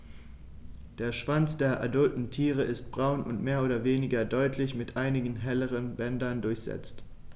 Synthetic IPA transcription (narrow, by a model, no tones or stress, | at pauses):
d̥eːɐʃv̥ant͡sd̥eːɐʔa̰dʊltn̩tʰiːʁ̞əʔɪst̚b̥ʁaʊnʊ̰ntmeːɐʔoːdɐveːnɪɡɐdɔʏtʰlɪçmɪtʔaɪnɪɡn̩ɦɛləʁənbɛndɐndʊɐçz̥ɛ̰t͡st